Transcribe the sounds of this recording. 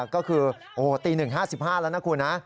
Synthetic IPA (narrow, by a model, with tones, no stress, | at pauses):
kɔː˥˩kʰɯː˧ | ʔoː˧˩t̪iː˧nɯ˨˩ŋɦaː˥˩si˨˩p̚haː˥˩laː˦˥wna˦˥kʰu˧na˦˥